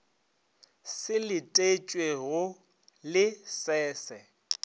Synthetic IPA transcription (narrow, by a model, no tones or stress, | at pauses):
sɪlɪtʼet͡ʃʼweɣʊ | lɪsɛːsɛ